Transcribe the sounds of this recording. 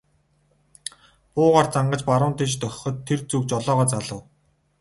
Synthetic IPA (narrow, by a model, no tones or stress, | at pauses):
pʊːʁaːrt͡saɴɢə̆t͡ɕpaɾʊːnt̪eːt͡ɕt̪œxʲχɞ̆t̪ʰːert͡sukt͡ɕɔɮɔːʁɔːt͡saɮə̆w